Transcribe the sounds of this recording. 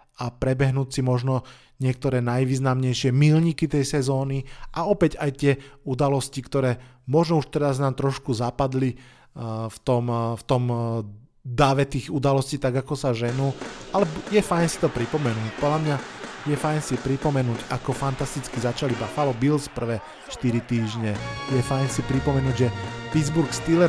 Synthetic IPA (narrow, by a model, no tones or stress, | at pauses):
apɾɛbɛɦnuːcsimɔʒnɔ | ɲɪɛk̚t̪ɔɾɛːnajʋiːznamɲɛjʃɪɛmilɲikit̪ɛjsɛzɔːniʔaɔpɛɟajt̪ɪɛud̪alɔscikt̪ɔɾɛː | mɔʒnɔuʃt̪ɛɾaznaːmt̪ɾɔʃkuzapad̪li | ft̪ɔmft̪ɔm | d̪aʋɛt̪iːɣud̪alɔsciːt̪aɡakɔsaʒɛnuːʔalɛjɛfajnsi̥t̪ɔpɾipɔmɛnuːcpɔd̪ʎamɲajɛfajnsipɾipɔmɛnuːɟakɔfant̪ast̪it͡skizat͡ʃalibafalɔbilspr̩ʋɛː | ʃt̪iɾit̪iːʒɲɛjɛfajnsipɾipɔmɛnuːɟʒɛpidd͡zbuɾkst̪ilɛ